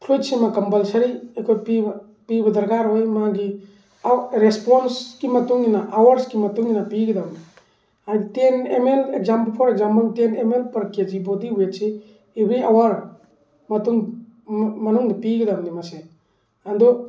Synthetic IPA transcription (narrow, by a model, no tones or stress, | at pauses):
pʰlujtsimakɐmpɐlsɐɾiekʰojpi | pibɐd̪ɐɾkaɾɦojmaɡi | ɾespɔnskimɐtuŋːinaʔːwaɾskimɐtuŋinapiɡidamdi | aɡitenemelekzampɐlpʰɔɾeɡzampɐltenemelpɐɾked͡ʒibodiɦuetseː | bɾiawaɾ | mɐtuŋ | mɐnuŋdipiɡid̪amdimase | and̪ɔ